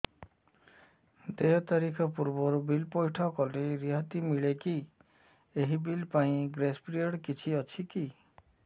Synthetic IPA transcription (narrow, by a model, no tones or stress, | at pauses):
d̪ejɔt̪aɾikʰɔpuɾbɔɾubilpɔjʈʰɔkɔleɾiɦat̪imiɭeki | eɦibilpaĩɡɾespɾiɔɽkit͡ʃʰiɔt͡ʃʰiki